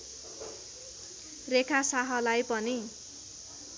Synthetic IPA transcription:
rekʰasaɦʌlajpʌni

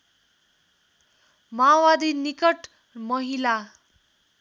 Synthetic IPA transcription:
mawad̪inikʌʈ | mʌɦila

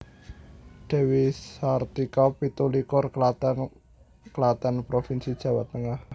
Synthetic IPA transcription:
d̥ɛ̤wisart̪ikɔpit̪ulikʊr | kəlat̪anpɾofinsid̥ʒ̥ä̤wa̰t̪ːəŋah

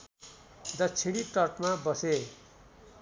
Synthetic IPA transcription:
d̪ʌt͡sʰiɽ̃iʈʌrʈmabʌse

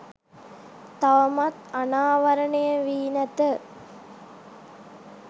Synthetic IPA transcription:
t̪aʋɐmat̪anaːʋɐɾəɳejəʋiːnət̪ə

